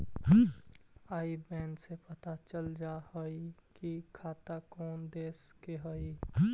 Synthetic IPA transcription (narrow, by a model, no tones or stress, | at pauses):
aibɛ̃nɖsepət̪at͡ʃəld͡ʒahəikikʰat̪akɔːnd̪eːskeɦəi